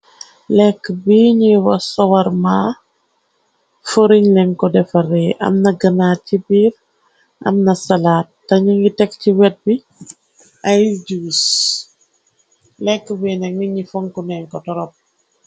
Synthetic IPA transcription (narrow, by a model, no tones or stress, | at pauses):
lɛkːəbiɲiwɐsɔwɐɾmaː | foɾiɲlɛŋkɔdɛfɐrɛʔɐ̰mnɐɡɐnaːcibiːɾ | ʔɐ̰mnɐsɐlaːt̚ːɐɲiŋɡitɛkciwɛt̚bi | ʔɐjɟuwis | lɛkːəbinɛk̚niɲifoŋkunɛŋkɔtɔɾɔp̚